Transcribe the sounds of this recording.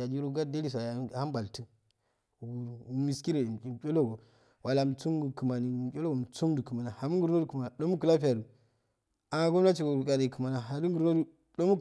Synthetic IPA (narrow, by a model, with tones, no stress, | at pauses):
a˨d͡ʒi˦ɾo˦ɡa˦da˦li˦s̬a˨ja˨˦˨ha˦ba˨ltu˦ | u˨ɡu˨˦mi˨ski˦ɾe˨i˨kʲo˦lo˦ɡo˨ | wa˨la˨m˨t͡su˦ŋɡu˨kɨ˨ma˨ni˨˦kʲo˦lo˦ɡo˨m˨t͡su˦ŋdu˨kɨ˨ma˨na˨ha˨mu˦ŋɡu˨ɾno˦du˨ku˨ma˨ɗo˦mu˦kɨ˨la˦pi˦ja˨du˨ | a˨a˨˦ɡo˦mna˦t͡ʃi˨ɡo˨u˨ka˨de˨i˨kɨ˨ma˨na˨ɦa˨du˦ŋɡu˨ɾno˦du˨ | ɗo˦mu˦